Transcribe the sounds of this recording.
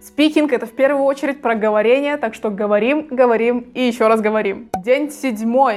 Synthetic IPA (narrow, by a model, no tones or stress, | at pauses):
spʲikʲinkɛt̪əfpʲe̞rvʊjʊot͡ɕɪɾʲɪt̚ʲpɾəɡəvɐɾʲenʲɪjət̪akʂt̪o̞ɡəvɐɾʲimɡəvɐɾʲimijɪɕːoɾasɡəvɐɾʲimdʲenʲsʲɪdʲmo̞j